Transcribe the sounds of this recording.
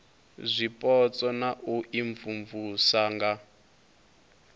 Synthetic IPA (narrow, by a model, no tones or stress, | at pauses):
zʷipʼɔt͡sʼɔnaʔuʔiɱvuɱvusaŋɡa